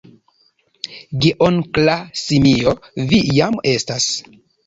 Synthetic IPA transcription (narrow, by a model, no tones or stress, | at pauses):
ɡeʔoŋklasimiovijame̞stas